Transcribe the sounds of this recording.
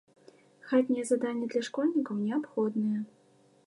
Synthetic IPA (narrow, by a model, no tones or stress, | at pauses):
xat̪ʲnʲijɛzad̪anʲːɐd̪lʲɐʂkɔlʲnʲikɐwnʲɛapxɔd̪nɨjɛ